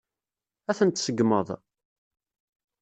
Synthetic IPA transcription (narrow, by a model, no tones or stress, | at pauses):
æθənt̪səɡmə̰ðˤ